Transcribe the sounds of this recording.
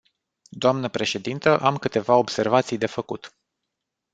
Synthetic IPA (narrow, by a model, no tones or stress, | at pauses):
d̪oamnəpɾe̞ʃe̞d̪int̪əʔamkɨt̪e̞vao̞bse̞rvat̪sijd̪e̞fəkut̪